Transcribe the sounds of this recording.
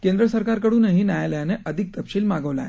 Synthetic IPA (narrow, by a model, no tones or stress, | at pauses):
kẽnd̪ɾəsəɾkaɾkəɽuːnəɦiːnjajaləjaneʔəd̪ʱik̚t̪əpɕiːlmaɡəʋla̰e